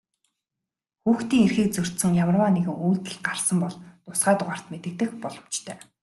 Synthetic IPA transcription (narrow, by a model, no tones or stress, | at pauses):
xuːxt̪iːŋerxiːk̚t͡sɵr̥ʲt̪sɘ̆ŋjamə̆rwaːneɣɘ̆ŋuːt̪ɘ̆ɮɢarsə̆mpɔɮt̪ʊsɢæːt̪ʊʁaːr̥t̪met̪ɘ̆k̚t̪ɘ̆kpɔɮɞ̆m̥t͡ɕt̪ʰœː